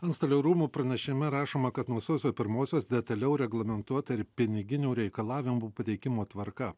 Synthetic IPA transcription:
ɐnst̪ɐlʲɛɾuːmuːpɾɐnʲɛʃʲɪmʲɛɾɑːʃoːmɐkɐt̪nuɔsoːsʲoːpʲɪɾmoːsʲoːsd̪ʲɛt̪ɐlʲɛʊɾʲɛɡlˠɐmʲɛnt̪uɔt̪ɐɪɾpʲɪnʲɪɡʲɪnʲuːɾʲɛɪkɐlˠɑːʋʲɪmuːpɐt̪ʲɛɪkʲɪmoːt̪ʋɐɾkɐ

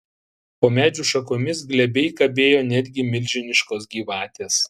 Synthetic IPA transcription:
poːmʲæːd͡ʒʲuːʃɐkoːmʲɪsɡlʲɛbʲɛɪkɐbʲeːjoːnʲɛd̪ʲɡʲɪmʲɪlʲʒʲɪnʲɪʃkoːsɡʲiːʋɑːt̪ʲeːs

